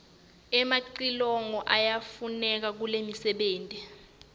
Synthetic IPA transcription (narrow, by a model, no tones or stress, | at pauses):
ɛmaǀilɔŋɔʔajafunɛk̬ak̬ulemisɛɓeːntʼɛ